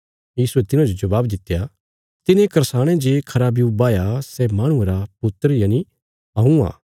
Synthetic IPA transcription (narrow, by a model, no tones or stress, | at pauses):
jiːsuɛt̪ɪnãd͡ʒod͡ʒɐbaːbd̪ɪt̪ːja | t̪ɪnẽkɐɾsaːɽ̃ẽd͡ʒeːkʰɐɾaːbijubaːjasɛmaːɽ̃ʊ̃eɾapʊt̪ːəɾjaːni | ɦɐɦũa̰ː